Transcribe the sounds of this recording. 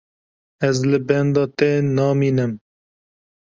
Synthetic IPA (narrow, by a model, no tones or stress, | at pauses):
ɛzlɨbɛnd̪ɑːt̪ɛnɑːmiːnɨm